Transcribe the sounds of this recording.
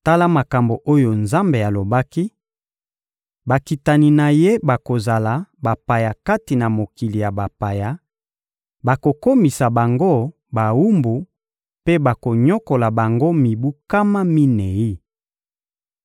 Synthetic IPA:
ta˦la˦ma˨ka˨mbo˨ʔo˦jo˨nza˦mbe˨a˨lo˨ba˦ki˦ | ba˨ki˨ta˨ni˨na˨je˦ba˨ko˨za˨la˨ba˨pa˨ja˨ka˦ti˨na˨mo˨ki˨li˨ja˨ba˨pa˨ja˨ | ba˨ko˨ko˦mi˨sa˨ba˨ŋɡo˦ | ba˨wu˦mbu˨ | pe˦ba˨ko˨ɲo˦ko˨la˨ba˨ŋɡo˦mi˨bu˦ka˦ma˦mi˦ne˨i˦

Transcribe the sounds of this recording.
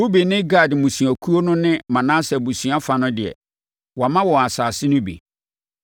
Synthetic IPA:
u˦be˨nɪ̃˦ɡa˦˨dɪ˨mũ˨si˨æ˨kʰu˦o˦nʊ̃˦nɪ̃˦mã˨nã˦sɛ˨bu˨sɥa˦fa˨nʊ̃˦dɪ˨ɛ̰˨ | wɔ˨a˨mã˦wɔ̃˨a˨saː˨sɪ˦nʊ̃˦bḛ˨

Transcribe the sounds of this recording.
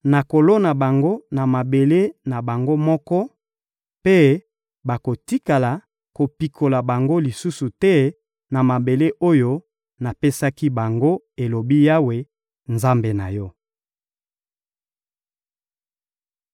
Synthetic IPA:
na˨ko˨lo˦na˨ba˨ŋɡo˦na˨ma˨be˨le˦na˨ba˨ŋɡo˦mɔ˦kɔ˦ | pe˦ | ba˨ko˨ti˦ka˨la˨ | ko˨pi˨kʰo˨la˨ba˨ŋɡo˦li˨su˦su˨tɛ˦ | na˨ma˨be˨le˦ʔo˦jo˦ | na˨pe˦sa˦ki˦ba˨ŋɡo˦ | e˨lo˨bi˦ja˦we˨ | nza˦mbe˨na̰˨jɔ˦

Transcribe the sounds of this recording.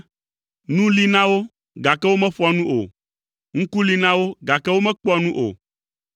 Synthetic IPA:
nũ˦li˦nã˦wo˦ | ɡa˨kɛ˦wo˦mɛ̃˦ɸɔ˦a˨nũ˦ʔo̰˨ | ŋ̩̃˦ku˦li˦nã˦wo˦ɡa˨kɛ˦wo˦mɛ̃˦k͡pa˨nũ˦ʔo̰˨

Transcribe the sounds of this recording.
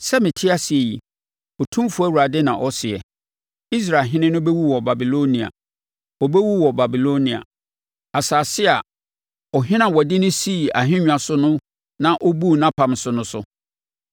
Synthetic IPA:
sɛ˦mɪ̃˨tʰɪ˦a˦si˨e˨jḭ˨ | ɔ˨tʰũ˦mfu˨˦æ˦wu˨ɾa˨dɪ˦nã˨ʔɔ˦sɪ˨ɛ˨ | i˦s̬ɾaː˨ɦɪ̃˦nɪ̃˦nʊ̃˦bɛ˦wu˦wɔ˨ba˨bi˨lo˦nĩ˨a̰˨ | ɔ˨bɛ˦wu˦wɔ˨ba˨bi˨lo˦nĩ˨a̰˨ | a˨saː˨sɪ˦a˨ | ɔ˨ɦɪ̃˦nã˨wɔ˨dɪ˦nʊ̃˦si˦˨a˨ɦɪ̃˦ɲᶣ˨ã˨sʊ˦nʊ̃˦ | nã˨ʔɔ˦bu˦˨nã˦pʰã˨m˨sʊ˨nʊ̃˦sʊ̰˦

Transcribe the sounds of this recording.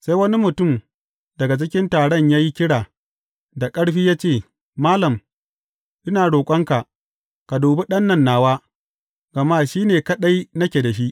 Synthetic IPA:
sa˦jwɐ˦ni˦mʊ˨tʊ˦˨m | dɐ˨ɡa˨t͡ʃɪ˦kʲɪ˦ntaː˨ɽɔ˦˨ɲjaː˦ji˦kʲɪ˦ɽaː˨ | da˨kʼɐ˦ɽɸiː˦jaː˦t͡ʃeː˦˨ | maː˦lɐ˨m | ʔɪ˦naː˨ɽoː˨kʷʼɐ˦ŋka˨ʔ | ka˨doː˨be˦ɗɐ˦nːɐ˦˨nːaː˨waː˦ | ɡ̥ɐ˨maː˦˨ʃiː˦neː˨kɐ˦ɗa˦jnɐ˦kʲe˨da˨ʃi˦ʔ

